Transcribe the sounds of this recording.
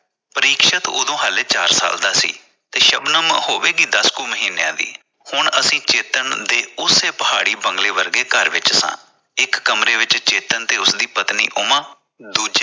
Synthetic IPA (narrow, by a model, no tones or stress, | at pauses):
pəɾiːkʃət̪o̰ːd̪õːɦəleːt͡ʃaːɾsa̰ːld̪aːsḭː | t̪eːʃəbnəmhoːʋeːɡiːd̪əskuːməɦiːnejã̰ːd̪ḭː | hʊɳəsĩːt͡ʃeːt̪ənd̪eːʊseːpəɦaːɽiːbəŋɡleːʋəɾɡeːkəɾʋɪt͡ʃsã̰ː | ɪkːəmɾeːʋɪt͡ʃt͡ʃeːt̪ənt̪eːʊsd̪iːpət̪nḭːʔʊmãː | d̪uːd͡ʒeː